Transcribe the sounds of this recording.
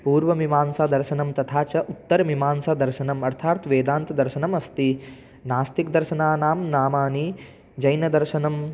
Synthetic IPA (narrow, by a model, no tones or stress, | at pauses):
puːɾʋɐʋimaːnsaːd̪ɐɾʃɐnɐmt̪ɐt̪ʰaːt͡ʃɐʔut̪ːɐɾɐʋimaːnsaːd̪ɐɾʃɐnɐmɐɾt̪ʰaːt̪ʋeːd̪aːnt̪ɐd̪ɐɾʃɐnɐmɐst̪i | naːst̪ikd̪ɐɾʃɐnaːnaːmnaːmaːni | d͡ʒɐjnɐd̪ɐɾʃɐnɐm